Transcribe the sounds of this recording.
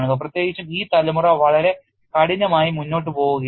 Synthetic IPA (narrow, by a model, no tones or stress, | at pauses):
ɳuɡɐp̬rɐt̪jeːɡit͡ɕːumiːt̪ɐlɐmurɐʋɐɭɐɾe̞ | kɐɽiɲːɐmaːjimunːo̞ːʈ̬ːɨpo̞ːɣuɣɐ